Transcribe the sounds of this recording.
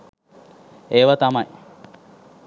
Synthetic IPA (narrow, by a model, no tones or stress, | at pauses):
eːʋat̪ɐmɐj